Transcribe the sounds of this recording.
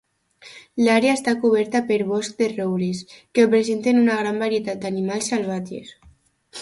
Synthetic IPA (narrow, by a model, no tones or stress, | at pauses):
laɾeaest̪akuβ̞ɛɾt̪apeɾβɔsk̚d̪erowɾeskeopɾezent̪enunaɣ̞ɾambaɾiet̪at̪̚d̪animalˠsalβ̞at̪ḛs